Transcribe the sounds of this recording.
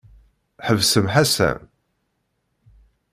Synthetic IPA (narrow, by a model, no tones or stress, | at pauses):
ħəvsəmħasæ̰m